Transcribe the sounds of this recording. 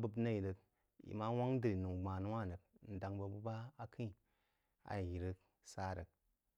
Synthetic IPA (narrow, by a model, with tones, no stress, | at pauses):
bə˧bna˦ji˨ɾə˧k | jḭ˨ma˦wa˦ŋdɨ˨ɾi˨nu˨ɡ͡ba˨nu˦wa˦˨nə˨k̚n̩˨da˨ŋbə˨bu˦ba˦a˦kʰi˦˨ | a̰˨ji˨ɾə˦k | sa˦˨ɾə˨k̚